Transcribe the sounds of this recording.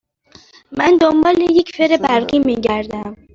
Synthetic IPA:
mænd̪ombɒːleje̞cʰfeɾebæɾɢiːmiːɟæɾd̪æm

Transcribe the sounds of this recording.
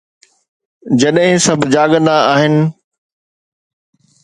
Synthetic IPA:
d͡ʑɐɗɦɪ̃sɐbʱd͡ʑaːɠə̃nd̪aaːɦɪnɪ̆

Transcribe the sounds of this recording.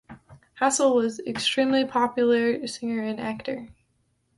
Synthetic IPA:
hæsl̩ˠwʌzɪ̰kstɹ̥ĩmlipʰɑpjl̩ˠə˞ɾɨsɪ̃ŋə˞ɨ̃næk̚tə̰˞

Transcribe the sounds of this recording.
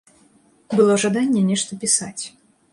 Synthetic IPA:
bɨlˠɔʐad̪anʲːɛnʲɛʂt̪əpʲɪsat͡sʲ

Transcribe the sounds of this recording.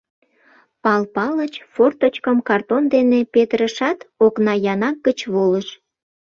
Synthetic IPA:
pɑlpɑlət͡ɕfort̪ot͡ɕkəmkɑrt̪ond̪enepet̪ɾəʃɑt̪oknɑjɑnɑk̚ɡət͡ɕβoləʃ

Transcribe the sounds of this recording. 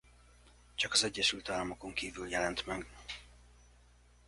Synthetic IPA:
t͡ʃɒkɒzɛɟːɛʃylt̪aːlːɒmoko̞ŋkiːvyljɛlɛnt̪mɛɡ

